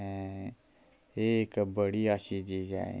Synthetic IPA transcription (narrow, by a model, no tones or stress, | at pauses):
ekbəɽiaʃid͡ʒid͡ʒa̰ḛ̃